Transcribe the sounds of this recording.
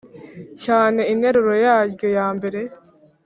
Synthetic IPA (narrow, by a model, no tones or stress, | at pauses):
caːneineɾuɾojaːɡojaːmbeɾe